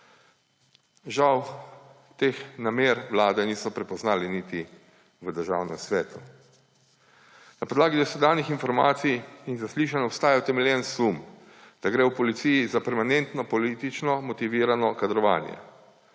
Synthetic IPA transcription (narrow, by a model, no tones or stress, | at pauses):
ʒaw | t̪eːxnameːɾʋlaːd̪ɛniːsɔpɾɛpɔznaːlinit̪i | ʋəd̪əɾʒa̰ːwnɛ̰msʋɛːt̪u | napɔd̪laːɡid̪ɔsʋɛd̪aːnixinfɔɾma̰ːt̪sijinzasliːʃ̬anɔpst̪aːjat̪ɛmɛljɛnsum | d̪̥aɡɾɛwpɔlit̪sijizapɛɾmanɛnt̪nɔpɔliːt̪it͡ʃnɔmɔt̪iʋiːɾanɔkad̪ɾɔʋa̰ːnjɛ̰